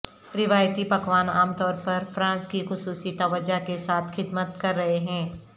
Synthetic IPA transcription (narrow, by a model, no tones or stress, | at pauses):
ɾɪʋaːjt̪ipɐkʋaːnaːmt̪ɔːɾpɐɾfɾãːnskixʊsuːsit̪ɐʋəd͡ʒakesaːt̪ʰxɪd̪mət̪kɐɾːɐɦeɦɛ̃ː